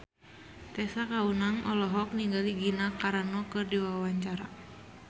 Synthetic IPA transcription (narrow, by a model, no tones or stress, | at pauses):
t̪ɛsakaunaŋɔlɔɦɔk̚niŋɡaliɡinakaɾanɔkɨrdiwawaɲt͡ʃaɾa